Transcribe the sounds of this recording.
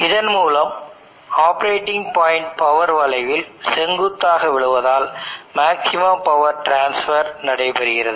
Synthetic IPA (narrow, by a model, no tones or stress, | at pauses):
ɪðɐnmuːlɐm | aːpɐɾeːʈːɪŋɡpaːjɪɳʈ̚pɐʋɐɾʋɐlɐɪʋɪlsɛŋɡɯt̪ːaːɣɐʋɪɭɯʋɐðaːlmaːksɪmaːpɐʋɐɾʈɾaːnsfɐɾnɐɽɐɪpɛɾɯɣɪrɐðɯ